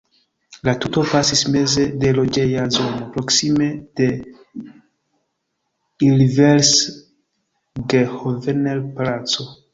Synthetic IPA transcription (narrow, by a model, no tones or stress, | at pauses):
latuto̞pasisme̞ze̞de̞lo̞d͡ʒe̞jazo̞no̞pɾo̞ksime̞d̥e̞ | ilveɾs | ɡehovenelplat͡so̞